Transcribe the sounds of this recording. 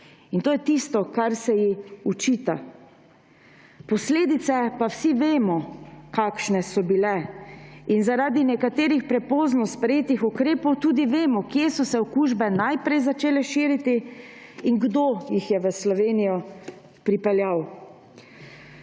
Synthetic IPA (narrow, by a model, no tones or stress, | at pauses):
int̪oːjɛt̪ist̪ɔkaɾsɛjixut͡ʃiːt̪a | pɔsleːd̪it̪sɛpawsiʋeːmɔkaːkʃnɛsɔbilɛ | inzaɾaːd̪inɛkat̪eːɾixpɾɛpoːznɔspɾɛjeːt̪ixɔkɾeːpɔwt̪uːd̪iʋeːmɔkjeːsɔsɛɔkuʒbɛnajpɾɛjzat͡ʃeːlɛʃiːɾit̪i | iŋɡd̪oːjixjɛʋəslɔʋeːnijɔ | pɾipɛljaw